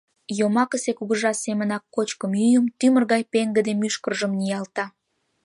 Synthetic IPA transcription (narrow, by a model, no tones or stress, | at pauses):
jomɑkəsekuɣəʒɑsemənɑkːot͡ɕkəmjyjəmt̪ymərɣɑjpeŋɡəd̪emyʃkərʒəmnijɑlt̪ɑ